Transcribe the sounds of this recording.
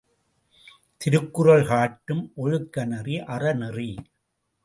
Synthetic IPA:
t̪ɪɾɯkːɯrɐɭɣaːʈːɯmʔɔɻɯkːɐnɐriʔɐrɐnɪri

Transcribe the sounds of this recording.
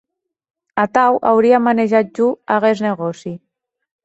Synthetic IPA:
at̪awʔawɾiamaneʒat̪̚ʒuaɣezneɣɔsi

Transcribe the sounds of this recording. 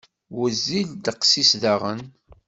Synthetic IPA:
wəzːild̪əqsisðaʁən

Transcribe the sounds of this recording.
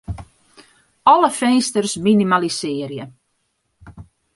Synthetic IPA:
ɔləfɛnstərsminimalisɪːəɾjə

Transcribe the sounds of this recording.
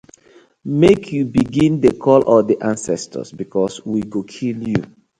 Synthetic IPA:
mekʰjubiɡĩndəkʰɔlʔɔdiʔãnsɛstʰə̰sbikʰɔswiɡokʰiljṵ

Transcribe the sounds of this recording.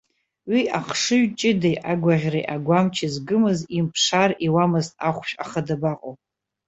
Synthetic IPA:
wiʔaχʰʂɨɥt͡ʃʼɪdejʔaɡʷaʁʲrejʔaɡʷamt͡ʃʰɪzɡɨmɨzimpʰʂariwamɨztʼaχʷpʃʼa̰χədabaqʼowʼ

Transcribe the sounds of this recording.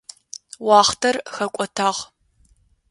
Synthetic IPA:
wɑːχtʰɐrxɐkʷʼɔtʰaːʁ

